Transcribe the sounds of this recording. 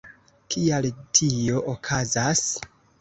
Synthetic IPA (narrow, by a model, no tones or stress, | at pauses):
kʰialtʰio̞ʔokʰazas